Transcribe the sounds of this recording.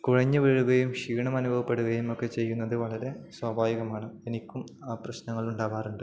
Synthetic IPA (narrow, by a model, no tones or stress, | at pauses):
kuɻɐɲːɨʋiɻuɣɐjumɕiːɳɐmɐnubʱɐʋɐpːe̞ɽuɣɐjumo̞kːe̞t͡ɕe̞jːunːɐðɨʋɐɭɐɾe̞swɐbʱaːʋiɣɐmaːɳɨenikʲːumaːprɐɕnɐŋːɐɭuɳɖaːʋaːruɳɖɨ